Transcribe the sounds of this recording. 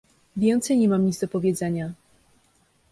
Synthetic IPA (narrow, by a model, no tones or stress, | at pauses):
vʲjɛnt̪sɛjɲɛmamɲit̪zd̪ɔpɔvʲjɛd̪zɛɲa